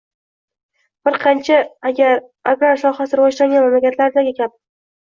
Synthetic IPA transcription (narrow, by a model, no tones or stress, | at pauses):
b̥ɪɾqʰɑnt͡ʃʰaɡʲaɾ | aɡɾaɾsɒχasɪɾwɒʃɾaŋɡʲanmamlakʲʰat̪ʰlaɾd̪aɡʲɪkʲʰap̪̚